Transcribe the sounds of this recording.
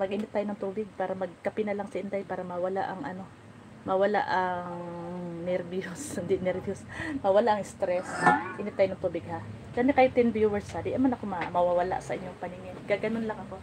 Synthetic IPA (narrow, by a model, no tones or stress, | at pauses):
mɐɡ̚ʔɪːnɪt̪ːaːjonɐŋt̪uːbɪɡ̚paːɾɐmɐɡ̚kɐpɪnɐlaŋsɐʔɪnd̪ajpaːɾɐmɐwɐlaʔɐŋʔɐno̞ | mɐwɐla̰ʔɐŋnɛɾbjoshɪnd̪ɪnɛɾbjosmɐwɐlaʔɐŋɪst̪ɾɛsʔɪːnɪt̪ːaːjoɐŋt̪uːbɪɡ̚ha | kɐmɛkɐjʊt̪ɛnbjuwɛɹshad̪ɪʔ̪ɐmanɐkomɐmɐwawɐla̰ʔsɐʔɪɲːoŋpɐniŋɪnɡaɡɐnonlɐŋɐko̞